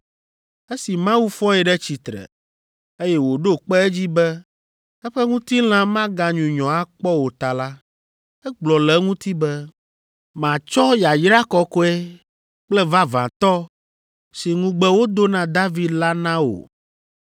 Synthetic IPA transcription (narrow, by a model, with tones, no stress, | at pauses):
e˦si˨mã˦wu˦fɔ˦ɛ˨ɖɛ˦t͡ɕi˨t̪ɾɛ̰˨ | e˦jɛ˦wo˨ɖo˦k͡pɛ˦ɛ˦d͡ʑi˦bɛ˦ | ɛ˦ɸɛ˦ŋũ˦t̪i˦l̃ã˦mã˦ɡã˨ɲũ˨ɲɔ̃˨a˦k͡pɔ˦wo˨t̪a˨la˦ | ɛ˦ɡ͡blɔ˨lɛ˦ŋũ˦t̪i˦bɛ˦ | mã˨t͡ʃɔ˦ja˨jɾa˦kɔ˦kɔ˦ɛ˦ | k͡plɛ˦va˦vã̰˨t̪ɔ˦ | si˨ŋũ˨ɡ͡bɛ˦wo˦d̪o˦nã˨d̪a˦vi˨d̪la˦nã˦wo̰˨